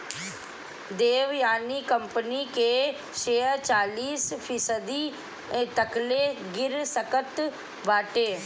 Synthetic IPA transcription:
d̪eːʋjaːnikəmpənike | ʃeːət͡ʃaːliːspʰiːsəd̪i | t̪əkleɡɪɾsəkət̪ | ʋaːʈeː

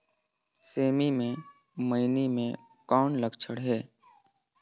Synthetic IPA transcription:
seːmimẽ | məɪnimẽ | kaːnləɡt͡ʃʰəɽɦɛː

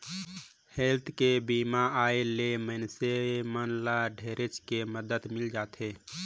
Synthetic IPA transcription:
helt̪ʰkebimaaelemənsemənlaɖʱeɾet͡ʃkeməd̪ət̪mɪld͡ʒaːt̪ɦeː

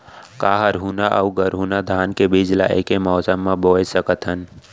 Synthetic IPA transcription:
kaɦəɾɦunaʔəuɡəɾɦunad̪ʱaːnkebid͡ʒla̰ʔḛkemɔːsəmːãboːjsəkət̪ɦən

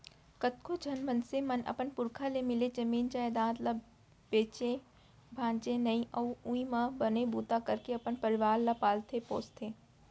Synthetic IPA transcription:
kət̪kʰod͡ʒʱɐnmənsemɐnɐ̰pənpʊɾkʰalemɪled͡ʒɐmiːnd͡ʒaːjed̪ãːd̪la | beːt͡ʃẽ | bʱãːnt͡ʃẽnɐĩʔɔːũĩmãbɐnebuːt̪akɐɾkeɐpənpɐɾɪʋaːɾlapaːlt̪ʰepoːst̪ʰeː

